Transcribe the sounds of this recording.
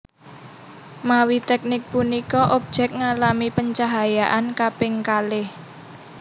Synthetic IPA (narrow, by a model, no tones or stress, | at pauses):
mawit̪ɛk̚nɪk̚punikɔʔop̚d͡ʒ̥ɛk̚ŋalamipəɲt͡ʃaɦajaʔankapɪŋkalɪh